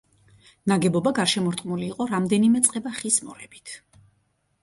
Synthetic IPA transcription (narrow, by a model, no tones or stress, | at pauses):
naɡɛbɔbaɡaɾʃɛmɔɾt̪ʼmuliːqʼɔɾamd̪ɛnimɛt̪sʼqʼɛbaχismɔɾɛbi̥t̪ʰ